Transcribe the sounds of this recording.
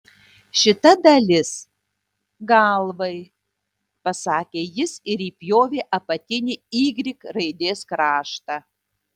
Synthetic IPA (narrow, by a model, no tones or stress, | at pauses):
ʃʲɪt̪ɐd̪ɐlʲɪs | ɡɐlˠʋɐɪ | pɐsɑːkʲeːjɪsɪɾiːpʲjoːʋʲeːʔɐpɐt̪ʲɪnʲɪiːɡɾʲɪkɾɐɪd̪ʲeːskɾɑːʃt̪ɑː